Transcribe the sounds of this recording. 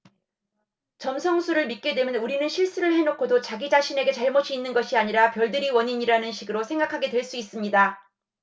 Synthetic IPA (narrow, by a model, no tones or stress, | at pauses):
t͡ɕʌmsʰʌŋsʰuɾɯɭmit̚k͈e̞dwe̞mjʌnuɾinɯnɕʰiɭs͈uɾɯɭhe̞nokʰodot͡ɕaɡid͡ʑaɕʰine̞ɡe̞t͡ɕaɭmoɕʰiinːɯnɡʌɕʰiaɲiɾapjʌɭdɯɾiwʌɲiɲiɾanɯnɕʰiɡɯɾosʰe̞ŋɡakʰaɡe̞dwe̞ɭs͈uis͈ɯmɲida